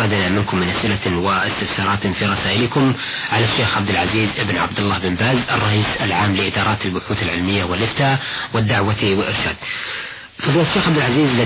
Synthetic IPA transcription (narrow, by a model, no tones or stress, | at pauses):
ɑd̪namɪnkʊmːɪnʔasʔɪlawɪʔɪst̪ɪfsɑːɾˤɑːt̪fiɾˤɑsaːʔɪlɪkʊm | ʕalaʃːeːxʕab̚d̪ɪlʕaziːzʔɪbnʕa̰bd̪ɪlːaːhbɪmbaːzʔɑrˤːɑʔiːsalʕaːmlɪʔɪd̪ɑːɾˤɑːt̪albʊħuːt̪alʕɪlmɪjːawɪlʔɪft̪aːwɪd̪ːaʕwawɪlʔɪɾʃa̰ːd̪̥̚ | fɑðˤiːlat̪ʃːeːxʕabd̪ɪlʕaziːzlɪ